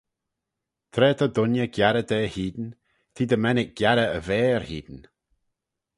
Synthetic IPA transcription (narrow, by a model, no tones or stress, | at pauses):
t̪ʰɾɛːt̪ʰɔd̪ʊnjəɡ̥jaɾəd̪ɛːhiːd̪n̩ | t̪ʰiːd̪əmɛnɪk̚ɡ̥jaɾəəvɛːɾhiːd̪n̩